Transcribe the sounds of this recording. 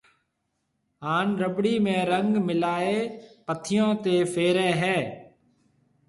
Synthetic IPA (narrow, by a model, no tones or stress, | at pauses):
ɦaːnɾəbɽiːmẽːɾəŋɡmɪlaːeːpət̪ʰɪjõːt̪eːfʰeːɾeːɦɛː